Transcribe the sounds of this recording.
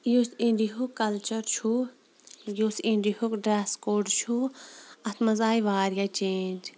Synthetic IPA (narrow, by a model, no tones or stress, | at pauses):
juːsĩɳɖiɦukɐlt͡ʃɐɾt͡ʃʰu | jusĩɳɖihukɖɾaːskoːɖt͡ʃʰuɐt̪ʰmɐzaːiʋaːɾjat͡ʃẽːnʲd͡ʒ